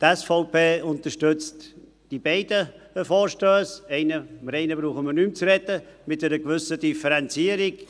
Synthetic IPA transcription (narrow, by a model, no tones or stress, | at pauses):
tɛsfoʊpeːʊnt̪əʃtʏt͡st | d̥ibɛɪdə | fɔːɾʃtøːsɛɪnəməɾɛɪnəbɾuːχəməɾnymt͡sɾɛtəmɪt̚dɛɾəɡvʏsədifəɾɛnt͡siːəɾiɡ